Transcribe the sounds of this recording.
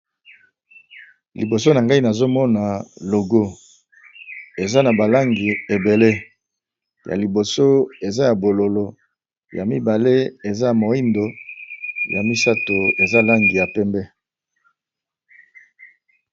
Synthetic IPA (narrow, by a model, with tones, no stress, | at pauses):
li˨bo˨so˦na˨ŋɡa˦i˦na˨zo˦mɔ˦na˨lo˨ɡo˦ | e˨za˦na˨ba˨la˦ŋɡi˨e˨be˨le˦ | ja̰˨li˨bo˨so˦e˨za˦ja˨bo˨lo˨lo˨ | ja˨mi˦ba˨le˦e˨za˦˨mo˨i˦ndo˨ | ja̰˨mi˦sa˦to˨e˨za˦la˦ŋɡi˨ja˨pɛ˦mbɛ˦